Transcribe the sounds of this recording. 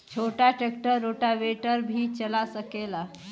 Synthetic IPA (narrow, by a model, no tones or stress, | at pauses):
t͡ʃʰoʈaʈekʈəɾːoʈaʋeʈəɾbʱit͡ʃəlasəkela